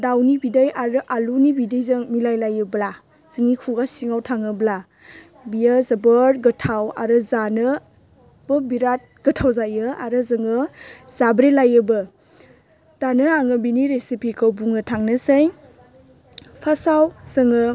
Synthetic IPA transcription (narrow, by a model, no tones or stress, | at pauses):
dawnibidajaɾɯʔalunibidɯjzɯŋmilajlajɯbla | z̥ɯŋnikʰuɡasiŋawtʰaŋɯbla | bijazabəɾɡɯtʰawa̰ɾɯzanɯ | b̥ɯbiɾat̚ɡ̥ətʰawzajɯaɾɯzɯŋɯz̥abɾelajɯbɯ | d̥anɯaŋɯbiniɾesipʰikʰəwbuŋɯtʰaŋnɯsej | pʰasawz̥ɯŋɯ